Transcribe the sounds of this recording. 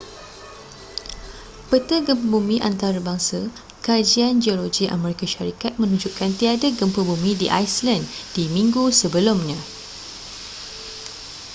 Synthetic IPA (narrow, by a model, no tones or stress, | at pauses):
pət̪əɡəmpəbumĩʔa̰nt̪aɾabaŋsa | kad͡ʒiand͡ʒiolod͡ʒiʔa̰mɛ̃ɾikaʃaɾikat̪̚mə̃nũd͡ʒuʔkant̪iadaɡəmpəbumĩdiʔa̰jsland̥imĩŋɡusəbəlʊmɲã